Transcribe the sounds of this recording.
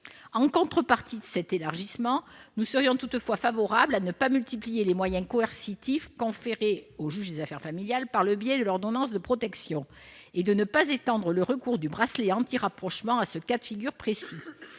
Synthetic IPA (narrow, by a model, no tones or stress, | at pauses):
ɑ̃kɔ̃t̪χəpaʁt̪ʰid̪əsɛt̪elaʁʒismɑ̃nusəʁjɔ̃t̪ut̪fwafavɔʁablanəpamylt̪iplijelemwajɛ̃kɔɛʁsit̪ifkɔ̃feʁeoʒyʒd̪ezafɛʁfamiljalpaʁləbjɛd̪əlɔʁd̪ɔnɑ̃sd̪əpχɔt̪ɛksjɔ̃ | ed̪ənəpazet̪ɑ̃d̪ʁələʁəkuʁd̪ybʁasleɑ̃t̪iʁapχɔʃmɑ̃asəkat̪fiɡʲyʁpχesi